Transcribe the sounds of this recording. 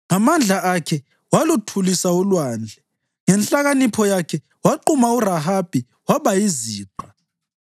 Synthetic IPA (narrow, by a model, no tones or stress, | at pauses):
ŋamand͡ɮʱaʔakʰɛ | walutʰulisaulwaːnd͡ɮʱɛ | ŋɛnɬaɣanipʰɔjakʰɛ | waǃumauraɦab̥ʱi | waβajiziːǃa